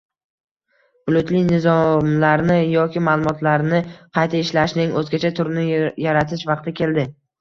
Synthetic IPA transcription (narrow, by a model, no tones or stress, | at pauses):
ʊlˠʊt̪lɪjnɪzɒmlaɾnɪjɒkʲɪmaːlˠʊmɒt̪ʰlaɾnɪqʰɑjt̪ʰaɪʃlaʃnɪŋɵzɡʲat͡ʃʰat̪ʰʊɾnɪjaɾat̪ʰɪʃvɑqt̪ɪkʲʰe̞ld̪ɪ